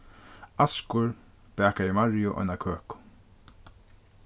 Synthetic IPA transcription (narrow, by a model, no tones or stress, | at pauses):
askʊɹ | b̥ɛːkaɾimaɹjʊʔɔ̰jnakʰøːkʊ̥